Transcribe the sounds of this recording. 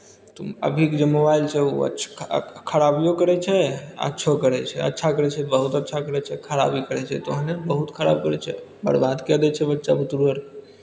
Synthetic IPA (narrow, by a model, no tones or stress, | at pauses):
t̪oə̰bʱikd͡ʒemobailt͡ʃʰɛuə̰tːt͡ʃʰkʰəɾabijokəɾɛt͡ʃʰɛə̰tːʃʰokəɾɛt͡ʃʰɛə̰tːʃʰakəɾɛt͡ʃʰɛbəɦut̪ətːʃʰakəɾɛt͡ʃʰɛkʰəɾa̰bikəɾɛt͡ʃʰɛ̰t̪oɦənebəɦut̪kʰəɾa̰b̚kəɾɛt͡ʃʰɛ | bə̰ɽbad̪kɛd̪ɛt͡ʃʰɛbətːʃabut̪uɾbəɾ